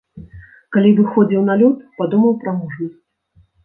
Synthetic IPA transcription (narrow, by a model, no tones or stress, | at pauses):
kalʲivɨxɔd͡zʲiwn̪alʲɔt̪̚pad̪umɐwpɾɐmuʐnɐsʲt͡sʲ